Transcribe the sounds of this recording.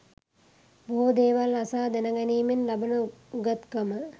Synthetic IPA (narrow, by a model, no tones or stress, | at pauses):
buɦod̪eːʋalasaːd̪ænəɡæniːmenlɐbɐnəuɡat̪kɐmə